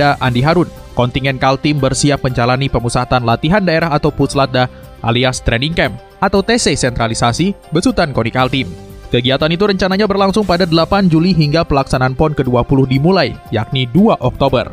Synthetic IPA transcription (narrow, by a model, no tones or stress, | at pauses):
aʔandiɦaɾʊn | kɔnt̪iŋɛnkalt̪imbərsiap̚məɲd͡ʒalanipəmusat̪anlat̪iɦandaeɾaɦat̪awpuslat̪̚da | ʔa̰liast̪ɾɛniŋkɛm | ʔat̪awt̪esesɛnt̪ɾalisasibəsut̪ankɔnikalt̪imkəɡiat̪anit̪uɾəɲt͡ʃanaɲabərlaŋsʊŋpadadəlapand͡ʒuliɦiŋɡapəlaksanaanpɔnkəduapulʊhdimulajjak̚niduaʔɔk̚t̪obə̰r